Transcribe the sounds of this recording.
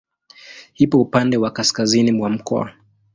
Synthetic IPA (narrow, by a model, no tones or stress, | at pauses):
hipɔupandɛwakaskazinimwam̩kɔ̰a̰